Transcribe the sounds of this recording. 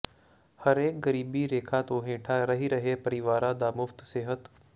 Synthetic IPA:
hɐɾeːk̚ɡɐɾiːbiɾeːkʰat̪oːɦẽːʈʰaɾɐɦiɾɐɦepɐɾiʋaːɾãd̪aːmʊft̪seːɦət̪

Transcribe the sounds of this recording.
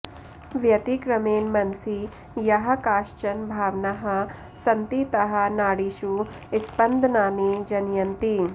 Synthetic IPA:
ʋjɐt̪ikɾɐmeːnmɐnsi | jɐɦɐ̆kaːʃt͡ʃɐnbʱaːʋnaɦɐ | sɐnt̪it̪ɐɦɐ̆naːɽiʃu | ɪspɐnd̪ʱnaːnid͡ʒɐnjɐnt̪i

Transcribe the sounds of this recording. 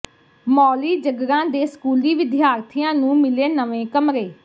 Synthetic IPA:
mɔːliːd͡ʒəɡɾãːd̪eːskuːliːʋɪd̪ɪjaːɾt̪ʰijãːnũːmɪleːnəʋẽːkəmɾeː

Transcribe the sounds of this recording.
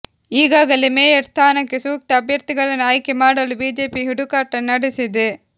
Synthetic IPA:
iːɡaːɡɐlemɛːjɐɾst̪ʰaːnɐkːesuːk̚t̪ɐɐbʱjɐɾt̪iɡɐɭɐnaːjkemaːɽɐlubiːd͡ʒeːpiɦuɽukaːʈɐnɐɽisid̪e

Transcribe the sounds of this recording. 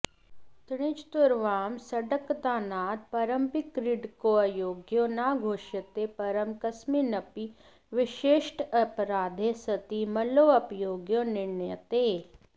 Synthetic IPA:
t̪ɽ̃ɪt͡ʃt̪ʊɾʋaːmsɐɖəkt̪aːnaːd̪̚pɐɾəmpɪkɾɪɖkoɐjoːɡjonaːɡʱoːʃət̪epɐɾəmkɐsminɐpi | ʋɪʃeːʃʈɐpɾaːd̪ʱesɐt̪imɐloːɐpjoːɡjonɪɾɳəjət̪eː

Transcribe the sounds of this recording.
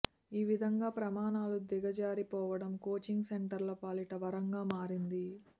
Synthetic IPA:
iːʋid̪ʱɐŋɡaːpɾɐmaːnaːlud̪iɡɐd͡ʒaːɾipɔːʋɐɽɐmkoːt͡ʃiŋɡseɳʈɐɾlɐpaːliʈɐʋɐɾɐŋɡaːmaːɾind̪i

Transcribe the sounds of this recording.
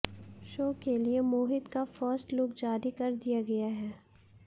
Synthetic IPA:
ʃoːkeliemoːɦɪd̪kafɔːsʈlʊkd͡ʒaːɾikɐɾd̪ijaɡɐjaɦɛː

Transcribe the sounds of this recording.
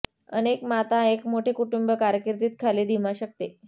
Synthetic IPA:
ə̰nekmat̪aekmoʈʰiːkuʈumbəkaɾjəkiɾt̪iːt̪̚kʰaliːd̪ʱimaɕək̚t̪e

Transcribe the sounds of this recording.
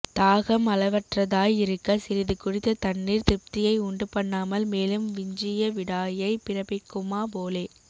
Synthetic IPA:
t̪aːɣɐmɐlɐʋɐʈrɐðaːjɪɾɯkːɐsɪɾɪðɯkʊɽɪt̪ːɐt̪ɐnːiːɾt̪ɪp̚t̪ɪjɐɪʊɳɖɯpɐɳːaːmɐlmeːlɯmʋɪɲd͡ʒɪjɐʋɪɽaːjɐɪpɪɾɐpɪkːɯmaːp̬oːleː

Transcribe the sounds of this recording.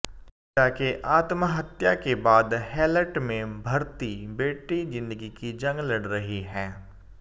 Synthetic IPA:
taːkeʔaːt̪məɦɐt̪jakebaːd̪hɛːləʈmẽbʱɐɾt̪ibeːʈid͡ʒɪ̃nd̪əɡikid͡ʒɐ̃ŋɡlɐɽɾɐɦiɦɛ̃ː

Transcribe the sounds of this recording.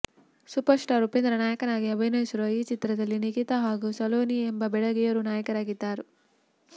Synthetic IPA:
supɐɾsʈaːɾupend̪ɾɐnaːjɐkɐnaːɡiɐbʱɐjnɐsuɾoːiːt͡ʃit̪ɾɐd̪ɐlːinikit̪ɐɦaːɡusɐloːniembɐbɛɽɐɡijɐɾunaːjɐkɐɾaːɡit̪ːaːɾu

